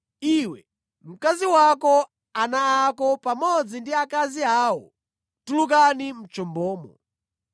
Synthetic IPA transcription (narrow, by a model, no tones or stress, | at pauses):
iwɛ | m̩kaziwakɔ | anaːkɔpamɔd͡zindiakaziaːwɔ̰ | tuluk̬anim̩t͡ʃɔmbɔːmɔ